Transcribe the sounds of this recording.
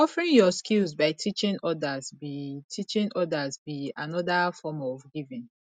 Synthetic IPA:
ɔfɹĩŋjɔskilzbaɪtʰit͡ʃĩŋɔdazbitʰit͡ʃĩŋɔdazbianɔdafɔmɔvɡivĩn

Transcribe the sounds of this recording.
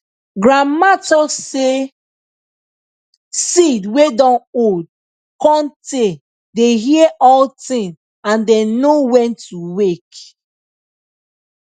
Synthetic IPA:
ɡɹamatɔse | sidwedɔ̃nod̚ | kɔ̃nte | deɦiɛʔɔltĩn | ãndɛ̃nowɛ̃ntuwek

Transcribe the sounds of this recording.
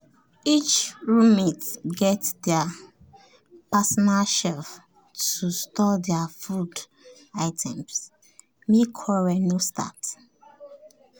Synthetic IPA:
it͡ʃɹumitɡɛtdɛa | pasɔnaʃɛlf | tustɔdɛafud | aɪtʰɛ̃ms | mekʰɔɹɛnostʰa̰t

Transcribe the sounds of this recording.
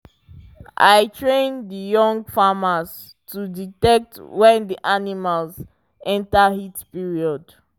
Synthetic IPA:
ʔa̰jtʰɹẽndəjɔ̃ŋɡfamaz | tuditɛk̚twɛ̃ndiʔanimalz | ɛ̃ntahitpiɹiɔd

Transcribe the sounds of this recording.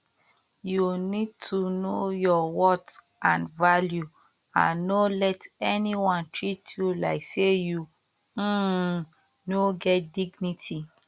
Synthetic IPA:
junid̚tʰunojɔwɔt | ãnvalju | ã̰nːolɛtɛniwɔ̃ntɹitʰjulaɪkseju | noɡɛt̚diɡnitʰi

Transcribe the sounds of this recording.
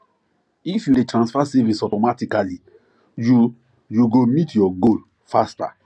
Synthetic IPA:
ifjudetɹãnsfasevisɔtɔmatikali | ju | juɡomitʰjɔɡol | fasta̰

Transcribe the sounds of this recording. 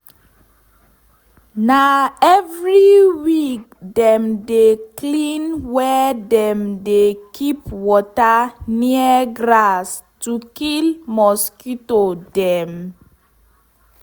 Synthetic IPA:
naɛvɹiwik̚ | dɛ̃mdeklĩnwɛdɛ̃mdekʰipwɔtaniəɡɹas | tukilmɔskitodɛ̃m

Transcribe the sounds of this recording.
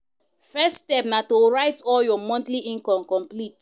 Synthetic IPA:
fɛsːtɛpnatoɹaɪtɔljɔmɔ̃ntliʔĩŋkɔ̃mkɔ̃mplit

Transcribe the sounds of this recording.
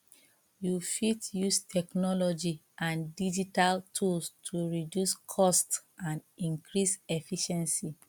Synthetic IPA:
jufitjustʰɛknɔlɔd͡ʒi | ãndid͡ʒitaltʰulstʰuɹidjuskʰɔstãnĩŋkɹisɛfiʃɛ̃nsi

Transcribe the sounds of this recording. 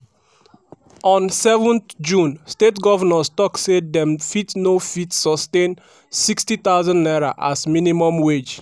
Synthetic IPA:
ɔ̃nsɛvɔ̃nt̪d͡ʒũnstetɡɔvanɔstɔksedɛ̃mfitsnofitsɔstẽn | sikstit̪aʊzɔ̃nnaɹa̰ʔasminimɔ̃mwed͡ʒ

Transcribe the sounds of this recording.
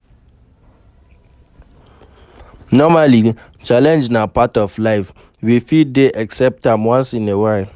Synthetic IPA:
nɔmali | t͡ʃalɛ̃nd͡ʒnapatɔflaɪf | wifideʔɛksɛp̚tãmwãnsĩnewaɪl

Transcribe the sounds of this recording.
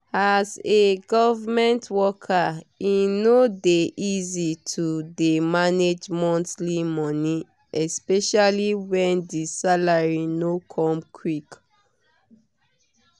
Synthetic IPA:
azeɡɔvamɛ̃ntwɔkʰaĩnodeʔizitʰudemaned͡ʒmɔ̃ntlimɔni | ɛspɛʃaliwɛ̃ndisalaɹinokʰɔ̃mkʰwik

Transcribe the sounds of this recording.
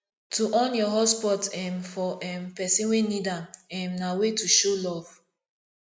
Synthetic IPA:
tuʔɔ̃njɔɦɔspɔtɛmfɔʔɛmpɛsĩnwenidãmɛmnawetuʃolɔv̥

